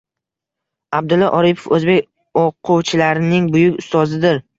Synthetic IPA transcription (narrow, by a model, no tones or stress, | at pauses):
ab̚d̪ʊlːaʔɒɾipʰofɵzbekʲ | oqʰʊwt͡ʃʰɪlaɾɪnɪŋbʊjʊkʲʊst̪ɒzɪd̪ɪɾ